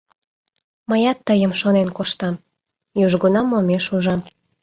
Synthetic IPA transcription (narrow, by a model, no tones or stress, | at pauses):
məjɑt̪ːəjəmʃonenkoʃt̪ɑm | juʒɡunɑmomeʃuʒɑm